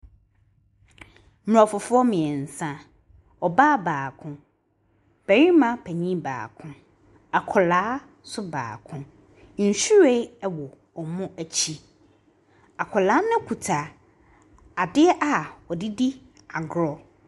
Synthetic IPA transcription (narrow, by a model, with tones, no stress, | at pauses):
m˨ɔ˨fʊ˨fʊ˦ɔ˦mɪ̃˨ɛ˨n̩˨sã˦ | ɔ˨ba˦baː˨kʰʊ̃˦ | b̥æ˨ɾĩ˦mã˦pʰæ˨ɲĩ˦ba̰ː˨kʰʊ̃˦ | a˨kʰɔ˨laː˨˦ | sʊ˦ba̰ː˨kʰʊ̃˦ | n̩˨ɕu˦ɾe˦ɛ˨wɔ˨ | ɔ˨mʊ̃˦æ˨t͡ɕʰi˦ | a˨kʰɔ˨laː˨˦nʊ̃˦kʰu˨tʰa˨ | a˨dɪ˦ɛ˦ʔa˨wɔ˨dɪ˦di˦ | a˨ɡɾɔ˨